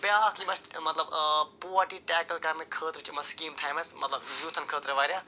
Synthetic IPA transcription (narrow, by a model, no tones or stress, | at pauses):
bjaːkʰlimɐst̪mɐt̪lɐbpoaʈiʈaːkɐlkɐrnɨkʰəːt̪rɐt͡ʃʰimɐskiːmt̪ʰajmɐsmɐt̪lɐbjut̪ʰɐnkʰəːt̪ɾɐʋɐɾja